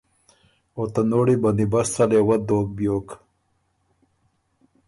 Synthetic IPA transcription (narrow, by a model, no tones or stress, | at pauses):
ot̪anoːɽiband̪ibastalewad̪oːk̚bjoːk